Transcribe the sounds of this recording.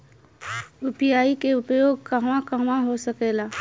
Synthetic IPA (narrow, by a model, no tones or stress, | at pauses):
ʊpjaːikeʊpjoːɡ̚kɐɦmãkɐɦmãɦosəkeːlaː